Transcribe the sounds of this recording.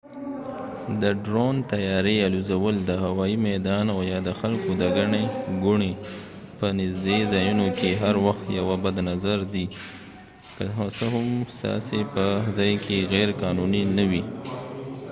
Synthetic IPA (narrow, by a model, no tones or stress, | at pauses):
d̪əɖɾont̪ajɑɾealuzawəld̪əɦawɑimɛd̪ɑnajɑd̪əxalkod̪əɡaɳeɡʊɳe | pənɪzd̪ezɑjunokeɦaɾwaxt̪jawabad̪nazaɾd̪i | kəɦsəɦʊmst̪ɑ̰sepəzɑjkʰeɣɛɾkɑnuninawi